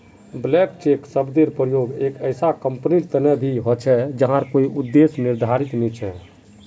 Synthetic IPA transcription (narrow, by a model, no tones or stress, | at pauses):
blɛk̚t͡ʃeksəbd̪eɾpɾəjoɡekəjsakəmpniɾt̪ənɛbʱiɦɔt͡ʃʰɛd͡ʒəɦãɾkoiʔud̪ːesniɾd̪ʱaɾit̪met͡ʃʰɛ